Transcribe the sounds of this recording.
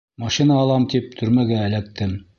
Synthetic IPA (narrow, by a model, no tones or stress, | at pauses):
mɑʃinɑːlˠɑmt̪ip̚t̪ʰɵ̆ɾmæɡæːlæk̚t̪ɘm